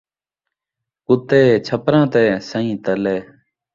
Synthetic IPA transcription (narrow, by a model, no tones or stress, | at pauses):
kʊt̪eːt͡ʃʰəpɾãːt̪eːsə̃ĩːt̪əleː